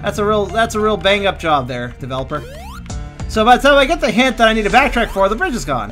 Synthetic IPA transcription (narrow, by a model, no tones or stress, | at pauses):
ðætsəɹilˠðætsəɹilˠbæ̃ŋʌp̚ʒ̥ɑb̚ðə˞d̥ɨvɛlˠəpə˞ | soʊbaɪsãaɪɡɛt̪̚ðɨɦæ̃nt̪ðɨɾaɪnidɾɨbæk̚tʰɹ̥ækfə˞ðəbɹɪd͡ʒɨzɡɔ̰̃n